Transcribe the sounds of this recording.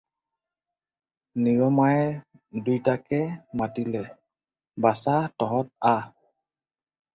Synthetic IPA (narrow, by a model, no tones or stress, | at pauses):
niɹɔmaj | dujtakɛmatilɛ | basatɔɦɔt̚a